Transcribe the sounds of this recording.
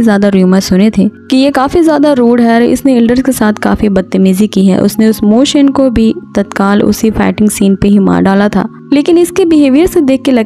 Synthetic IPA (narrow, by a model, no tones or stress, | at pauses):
zjaːd̪aɾiməsʊnet̪ʰeːkijekaːfizjaːd̪aɾoːɽɦɛɾɪ̰sneɪlɖəɾzkesaːt̪ʰka̰ːfibɐt̪̚t̪ːəmiːzikiɦɛ̰ʔʊ̰sneʊsmoːʃənkobʱit̪ɐt̪kaːlʊ̰sifɛ̰ːʈɪ̃ŋɡsiːnpeɦima̰ːɖaːlat̪ʰa̰ː | leːkɪnɪskebɪɦeːʋijəɾsed̪eːkʰːelɐ